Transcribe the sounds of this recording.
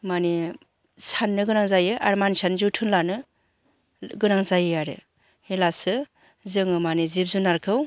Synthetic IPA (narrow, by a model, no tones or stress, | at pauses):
mani | sʰanːɯɡɯnaŋzajɯʔaɾmansʰanzɯtʰɯnlanɯ | ɡɯnaŋzajɯaɾɯ̰ | helasɯ | zɯŋɯmanizip̚zunaɾkʰɯw